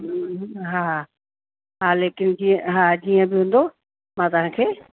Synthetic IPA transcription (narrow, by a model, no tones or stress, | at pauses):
ɦa | ɦaːleːkɪnd͡ʑiə̃ɦaːd͡ʑiːə̃bɪɦũːn̆d̪o | mãt̪ɐʋ̤ɦãkʰeː